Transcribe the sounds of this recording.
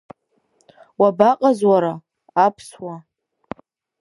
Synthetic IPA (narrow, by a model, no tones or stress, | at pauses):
wabaqʼazwaɾaː | pʰswa